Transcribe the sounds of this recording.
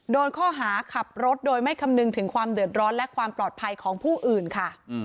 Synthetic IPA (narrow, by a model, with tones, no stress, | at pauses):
doː˧nkʰɔː˥˩ɦaː˩˦kʰa˨˩p̚ɾo˦˥t̪̚doː˧jma˥˩jkʰa˧mnɯ˧ŋt̪ʰɯ˩˦ŋkʰwaː˧mdɯ˨˩ət̪̚ɾɔː˦˥nlɛ˦˥kʰwaː˧mplɔː˨˩t̪̚pʰa˧jkʰɔː˩˦ŋpʰuː˥˩ʔɯː˨˩nkʰa˥˩